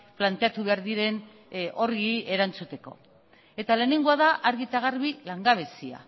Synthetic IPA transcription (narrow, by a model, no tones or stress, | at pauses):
plant̪e̞at̪uβe̞aɾðiɾe̞n | o̞ɾɣie̞ɾant͡sut̪e̞ko̞̰ | e̞t̪ale̞neŋɡoaðaʔaɾɣit̪aɣ̞aɾβilaŋɡaβ̞e̞sia̰